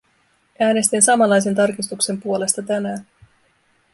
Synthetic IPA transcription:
æːne̞st̪insɑmɑlːɑjs̬e̞nt̪ɑrkist̪ukse̞mpuo̞le̞st̪ɑt̪ænæː

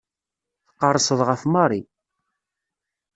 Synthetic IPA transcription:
θqːɑrˤːsˤəðˤʁəfmɑɾˤi

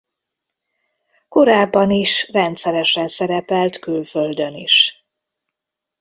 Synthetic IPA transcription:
ko̞ɾaːbːɒniʃrɛnt̪sɛɾɛʃɛnsɛɾɛpɛlt̪kylføld̪ø̞niʃ

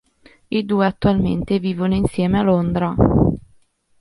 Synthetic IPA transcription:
id̪uːeat̪ːualmḛnt̪eviːvonoinsjɛːmealond̪ɾa

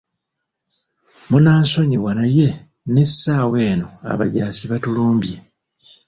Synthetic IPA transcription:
munaːnso̞ɲiwanaje̞ | nesːaːwe̞ːno̞a̰βa̰ɟaːsiβatuluːmbje

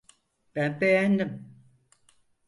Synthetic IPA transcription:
pɛmpɛan̩dɨm

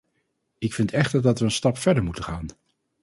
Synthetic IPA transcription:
ɪkfɪntɛχtəɹdɑtʋəənstɑpfɛɹdəɹmutənχaːn

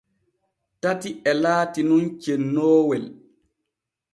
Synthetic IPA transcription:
tatiʔɛlaːtinunt͡ʃenːɔːwɛl

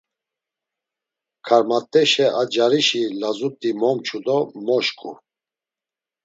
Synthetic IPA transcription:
kʰaɾmat̪ʼːɛʃɛʔad͡ʒaɾiʃilazut̪ʼimɔmt͡ʃʰud̪ɔmɔʃkʼṵ

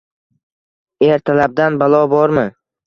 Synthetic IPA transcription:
e̞ɾt̪ʰalab̚d̪anbalˠɒbɒɾmɪ

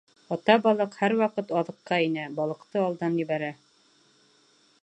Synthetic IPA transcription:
ɑt̪ɑbɑlˠɤqhæɾwɑqɤt̪ɑðɤ̆qːɑinæbɑlˠɤ̆qt̪ɤɑlˠd̪ɑnjɘ̆βæɾæ

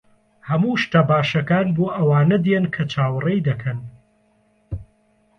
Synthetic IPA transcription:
hɐmuːʃt̪abaːʃɐkaːnboːʔɐwaːnɐd̪jenkʰɐt͡ʃʰaːwrejd̪ɐkʰɐn

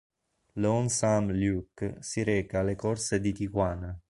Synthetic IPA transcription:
lɔnsamljuksiɾɛːkaːlekɔrsed̪it̪ikwaːna

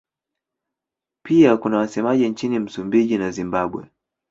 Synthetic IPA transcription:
piakunawasɛmaʄint͡ʃinim̩sumbiʄinazimbaɓwɛ̰

